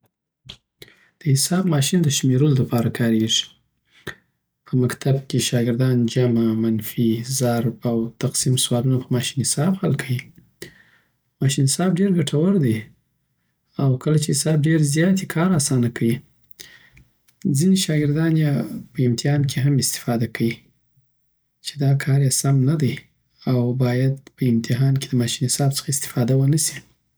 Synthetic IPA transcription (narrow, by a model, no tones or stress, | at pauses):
d̪̥əhɪsɑbmɑʃind̪əʃmeɾolod̪apɑɾakʰɑɾeʐi̥ | pʰəmakt̪ʰab̚keʃɑɡɪɾd̪ɑnd͡ʒamamanfizaɾbawt̪aqsimswɑlunapəmɑʃi̥nhɪsɑbxalkʰawi | mɑʃinhɪsɑb̚ɖeɾɡaʈʰawaɾd̪ej | awkəlat͡ʃeɪsɑb̚ɖeɾzjɑt̪ekʰɑɾasɑnakʰawi | d͡zineʃɑɡɪɾd̪ɑnjapəɪmt̪ɪɦɑnkʰeɦamɪst̪ɪ̥fɑd̪akʰawi | t͡ʃe̥d̪ɑkʰɑɾjasamnad̪əj | awbɑjad̪pəɪmt̪ʰɪɦɑnked̪əmɑʃinhɪsɑbt͡sə̥xaɪst̪ɪ̥fɑd̪awənasi̥